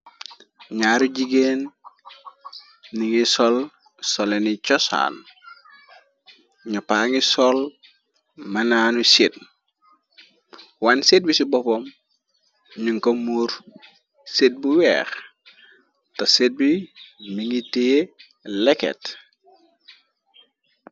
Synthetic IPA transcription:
ɲaːɾuɟiɡen | iŋisɔl | sɔlenit͡ʃɔsa̰ːn | ɲupaŋisɔl | mɐnaːnuset̚ | wanset̚bisibɔpɔm | ɲuŋkomuːɾ | set̚buwɛ̰ːx | tɐset̚bimiŋite | lɛkɛ̰t

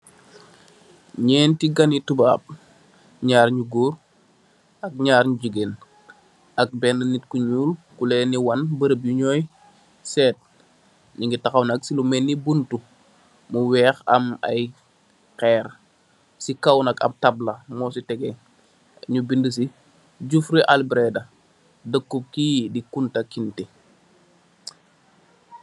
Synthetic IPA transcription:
ɲɛːntiɡɐnitubaːp̚ | ɲaːɾɲuɡuːr | ʔɐk̚ɲaːɾɲuɟəɡeːn | ɐk̚bɛnːənitkuɲuːlkulɛːniwɐnbəɾəp̚juɲɔːj | sɛːt̚ | ɲiŋɡitɐxɐwnɐksilumɛnːibuntu | muwɛːxɐmɐ̰j | kɛːr | sikɐwnɐkɐ̰b̚tɐblɐmɔːsitɛɡɛ | ɲubindəs̬i | ɟufɾiʔalbɾɛdɐ | dəkːup̚kiːdikuntɐkinti

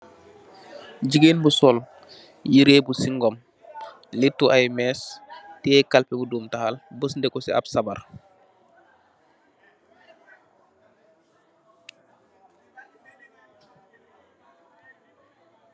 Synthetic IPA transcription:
d͡ʒiɡenbusɔl | jiɾeːbusiŋɡɔm | litːuʔamɛstɛːkalpɛbuduːmtahalbəsndɛkɔsḭa̰bsabaɾ

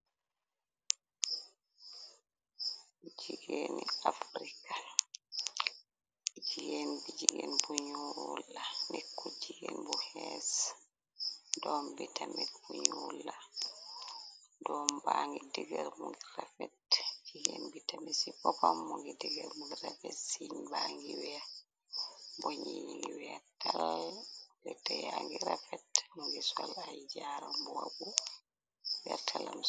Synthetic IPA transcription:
d͡ʒiɡeniafɾika | d͡ʒiɡenbid͡ʒiɡɛnbuɲulːanɛkːɔd͡ʒiɡɛnbɔhɛs | dɔmbitamɛbuɲulːa | dɔmbaŋɡidiɡɛɾmuŋɡiɾafɛtiɡenbitamisipɔpamːuŋɡidiɡɛɾmuŋɡiɾafɛtsiɲbaŋɡiwɛa | boɲiɲiŋɡiwɛatːalɛɾitɔjaŋɡiɾafɛtmuŋɡisɔlajd͡ʒaɾɔmbuwabu | wɛtʰalam

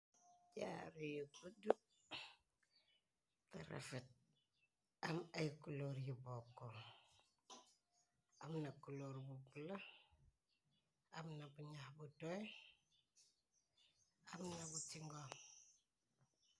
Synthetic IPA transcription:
ɟa̰ɾijukudu | ta̰ɾa̰fet̚ | amajkuloɾjibokːo | amnakuloɾbubula | amnabuɲahbutoj | amnabutiŋɡo

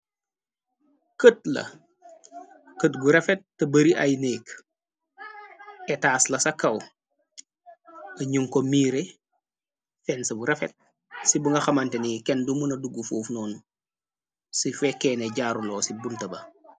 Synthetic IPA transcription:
kət̚lɐ̰ | kətɡuɾefet̚ːɐbəɾiʔajnek | etaːslɐsɐkːɐw | ɐɲuŋkomiːɾe | fensɐbuɾefet̚ | sibuŋɡɐxɐmɐntenikɛndumunɐduɡufuːfnɔːn | sifekːeːneɟaːɾuloːsibuntɐbɐ

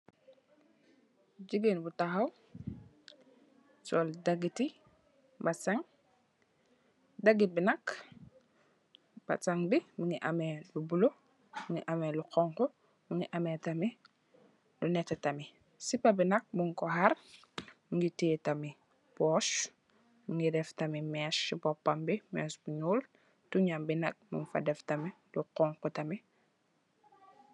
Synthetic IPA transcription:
ɟiɡenbutaɦaw | soldaɡiti | basaŋ | daɡibinak | b̥a̰t͡saŋbimiŋiʔamelubulo | miŋiʔamelukoŋko | miŋiʔametami | lunetɛtami | sipabinak̚buŋkoɦaɾ | miŋɡitiːtami | pɔʃ | miŋɡideftamimɛːsːibɔpːambimɛ̰ːsbuɲuːl | tuɲambinak̚mṵŋfa̰deftami | luqɔŋkutami

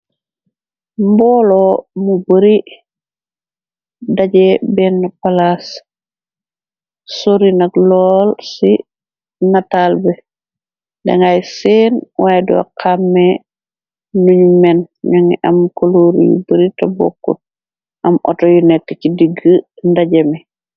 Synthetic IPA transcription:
mbɔːlomubəɾi | daɟebɛnːpalas | soɾinakloːlsi | natalbɛ | dḛŋajsenwʔajdṵa̰kʰamːe | nuɲumɛnɲoŋḭʔa̰mkoloɾ̰jṵbəɾitabo̰kːṵt̚ | ʔamʔo̰tojunɛkːecidiɡəndaɟemɛ

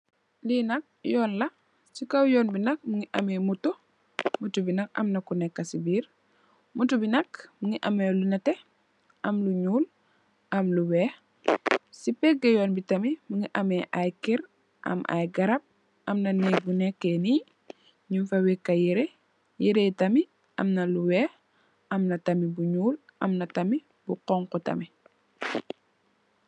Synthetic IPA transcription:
linɐk̚jɔːnlɐ | sikawjoːnbinɐk̚muŋiʔɐmemutu | mutubinɐkɐ̰mnakunekːasibiːɾ | mutubinɐkmuŋiʔɐmelunɐte | ʔɐmluɲuːl | ʔamluweːh | sipeɡejoːnbitɐmimuŋiʔɐmɛʔajkiɾ | ʔɐ̰mʔa̰jɡɐɾɐp̚ | ʔɐmnɐnɛbunɛkːɛni | ɲufɐwikːɐjiɾe | jiɾetɐmi | ʔɐ̰mnɐluwɛːx | ɐmnɐtɐmibuɲuːlʔɐmnɐtɐmi | buqɔŋkɔtɐ̰mi

